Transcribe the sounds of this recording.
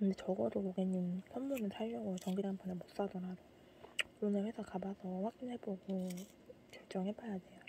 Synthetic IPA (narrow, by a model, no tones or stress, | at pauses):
kɯndet͡ɕʌɡʌdokoɡeɲːimsʰʌnmːunɯntʰaɭːʌɡot͡ɕʌŋɡiɾanbʰʌnemos͈adʌɾado | onɯɭɸwe̞sʰakabasʰʌɸak͈̚ineɭboɡo | kjʌɭt͡ɕ͈ʌŋɦepʰajadwe̞jo